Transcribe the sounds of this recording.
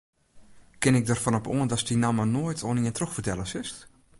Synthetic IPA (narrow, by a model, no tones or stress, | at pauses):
kɪnɪk̚dərfɔnɔpoəndɔsdinamənoːjtʰoəniəntroxfərtɛlˠəsɪst